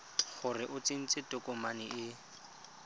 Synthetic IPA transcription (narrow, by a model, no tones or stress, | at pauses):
χʊrɪʔʊt͡sin̩t͡sɪtʊkʼɔmanɪʔɪ